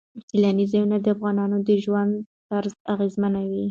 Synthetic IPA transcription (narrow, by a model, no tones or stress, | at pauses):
t̪ɪlanizajunad̪əafɣɑnɑnod̪əʒwand̪ | t̪aɾzaɣezmanawi